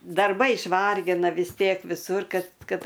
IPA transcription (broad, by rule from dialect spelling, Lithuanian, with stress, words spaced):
dɐrˈbɐɪ ɪʃˈʋɐrʲɡʲɪnɐ ʋʲɪs ˈtʲiɛk ʋʲɪˈsʊr kɐt ˈkɐt